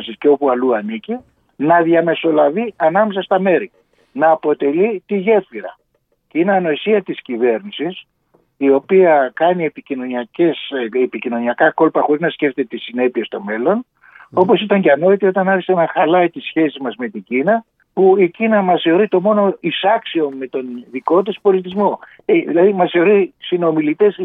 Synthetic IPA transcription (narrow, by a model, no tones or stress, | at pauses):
sisce̞o̞puɐluɐnici | nɐðʝɐme̞so̞lɐviɐnɐme̞sɐst̪ɐme̞ɾi | nɐːpo̞t̪e̞lit̪iʝe̞fiɾɐ̰ | ceineɐno̞isiɐt̪iscive̞ɾnisis | io̞piɐkɐnie̞picino̞niɐcesepicino̞niɐkɐko̞lpɐxo̞ɾiznɐsce̞ft̪et̪et̪isine̞pie̞st̪o̞me̞lo̞n | o̞po̞sit̪ɐɲceɐno̞it̪io̞t̪ɐnɐɾçiseenɐxɐlɐit̪isçe̞sizmɐzme̞t̪iɲɟinɐ | puicinɐmɐseoɾit̪o̞mo̞no̞isɐksio̞mme̞t̪o̞nðiko̞t̪ispo̞lit̪izmo̞ | eilɐðimɐseoɾisino̞milit̪es